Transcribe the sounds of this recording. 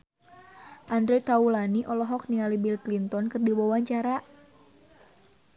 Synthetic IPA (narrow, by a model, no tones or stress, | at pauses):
ʔandɾet̪aulaniʔɔlɔɦɔk̚nialibilklint̪ɔnkɨrdiwawaɲt͡ʃaɾaʔ